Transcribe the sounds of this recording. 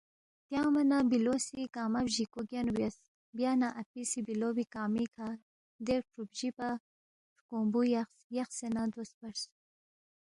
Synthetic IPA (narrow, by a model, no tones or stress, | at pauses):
t̪jɑːmanabilosikaːmabʑikoɡjanubjas | bjanaʔapisibilobikaːmikʰa | d̪eɾpʰɾupʒipa | ʂkoːmbuja | jaxsenad̪ospaɾs